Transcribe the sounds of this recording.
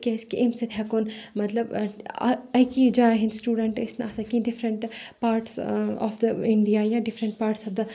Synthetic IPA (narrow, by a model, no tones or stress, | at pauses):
kʲeskiʔɪmset̪ʰɦɛkonmɐt̪lɐb̰ | ɐkid͡ʒaɦĩnsʈuːɖəɳʈɪsnasɐkĩɖɪfɾəɳʈpaːɾʈsɔ̰ːfd̪əɪɳɖijajaɖɪfɾə̃ɳʈ̚paːɾʈsɐbd̪ɐ